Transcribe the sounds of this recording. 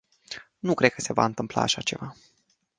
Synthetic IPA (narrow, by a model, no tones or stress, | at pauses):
nukɾe̞d̪̚kəse̞va̰ɨnt̪ɨmpla̰ːʃat͡ʃe̞va